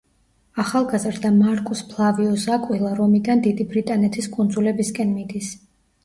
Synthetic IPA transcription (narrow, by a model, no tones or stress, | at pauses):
aχalˠɡazɾd̪amaɾkʼuspʰlˠaviɔzakʼwilˠaɾɔmid̪and̪id̪ibɾit̪ʼanɛt̪ʰiskʼund̪zulɛbiskʼɛnmid̪is